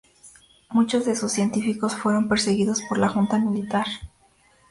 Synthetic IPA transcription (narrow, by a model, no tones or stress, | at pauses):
mut͡ʃo̞zðesusːje̞nt̪ifiko̞sfwe̞ɾo̞mpe̞ɾse̞ɣiðo̞spo̞ɾlaxunt̪amilit̪aɾ